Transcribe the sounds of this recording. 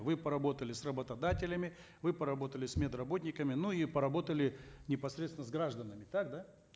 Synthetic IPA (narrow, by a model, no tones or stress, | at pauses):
vɨpəɾɐbo̞t̪əlʲɪsrəbət̪ɐd̪atʲɪlʲəmʲɪ | vɨpəɾɐbo̞t̪əlʲɪsʲmʲed̪rɐbo̞t̪̚ʲnʲɪkəmʲɪnuipəɾɐbo̞t̪əlʲɪnʲɪpɐsɾʲet̪sʲɪnəzɡɾaʐd̪ənəmʲɪt̪ak̚d̪a